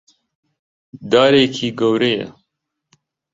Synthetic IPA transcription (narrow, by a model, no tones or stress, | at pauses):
d̪ɑːɾeːkʰiːɡowɾejɛ̰